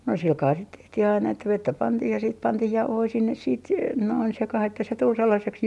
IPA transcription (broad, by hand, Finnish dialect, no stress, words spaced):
no silkɑː sit tehtih ɑinɑ etːæ ʋetːæ pɑntiːh jɑ siːt pɑntiːh jɑuhoi sinːes siːt se noin sekɑh etːæ se tul selːɑseks